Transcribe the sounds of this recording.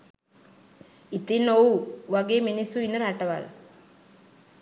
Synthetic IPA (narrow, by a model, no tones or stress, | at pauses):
it̪ːinouʋɐɡeminisuinɐɾaʈːɐʋa̰l